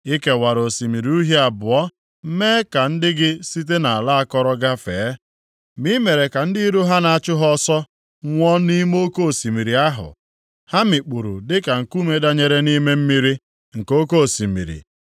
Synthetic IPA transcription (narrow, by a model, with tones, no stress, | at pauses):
i˦ke˦wa˨ɾo˨si˨mi˨ɾi˨u˦ɦe˦a˨bʊ˨ɔ˦ | meː˦ka˨n̩˦dɪ˦ɡɪ˦si˦t̬e˦na˨a˨la˦a˦kɔ˦ɾɔ˦ɡa˦feː˨˦ | mi˦me˨ɾe˨ka˨n̩˦di˦ɾu˦ɦa˦na˨a˨t͡ʃʊ˦ɦɔ˦sɔ˦ | ŋʷɔ˦ni˦mo˦ko˦o˨si˨mi˨ɾi˨a˦ɦʊ̰˨ | ha˦mi˨k͡pu˨ɾṵ˨dɪ˦ka˨ŋ̩˨ku˦me˦da˦ɲe˨ɾe˦ni˦me˦m̩˦mi˦ɾi˦ | ŋ̩˨ko˦ko˦˨si˨mḭ˨ɾḭ˨